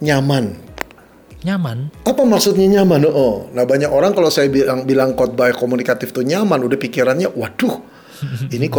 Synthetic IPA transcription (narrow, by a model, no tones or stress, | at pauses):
ɲaman | ɲamanapamaksʊt̪̚ɲaɲamanɔʔɔnahbaɲakoɾaŋkalosajabiaŋbilaŋkɔt̪̚bajɛkomunikat̪ɪft̪uɲamanudahpikiɾanɲawadʊh | inik